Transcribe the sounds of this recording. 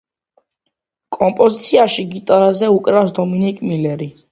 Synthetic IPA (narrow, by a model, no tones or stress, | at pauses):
kʼɔmpʼɔzit̪sʰiaʃiɡit̪ʼaɾazɛukʼɾafs̬d̪ɔminikʼmilɛɾi